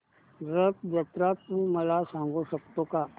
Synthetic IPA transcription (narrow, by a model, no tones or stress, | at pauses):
ɾəpd͡ʒɐt̪ɾapũmɐlasãːŋɡosək̚t̪õka